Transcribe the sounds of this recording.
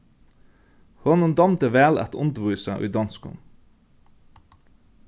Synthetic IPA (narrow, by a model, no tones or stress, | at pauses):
hɔnənd̪ɑmt̪əʋæːlæ̰t̪ʰʊnd̪ʋʉːsəʔʉ̰ːd̪ɑnskʊ̰n